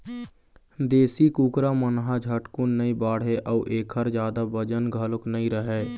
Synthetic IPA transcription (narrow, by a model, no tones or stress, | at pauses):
d̪eːsikuːkɾamənɦad͡ʒʱəʈkʊnːəĩbaːɽ̤ɦeʔəuʔeːkʰəɾd͡ʒjaːd̪abəd͡ʒənɡʱəlʊknəĩɾəɦeː